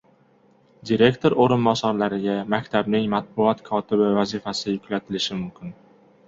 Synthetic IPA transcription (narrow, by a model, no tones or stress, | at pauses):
d̪iɾe̞kʲt̪ʰoɾoɾɪnbɒsɒɾlaɾɪɡʲamakʲt̪ʰabnɪŋmat̪̚bʊɒt̪kʰɒt̪ʰɪbɪvazɪfasɪjʊkʲlat̪ʰɪlɪʃɪmʊmkʲʰɪn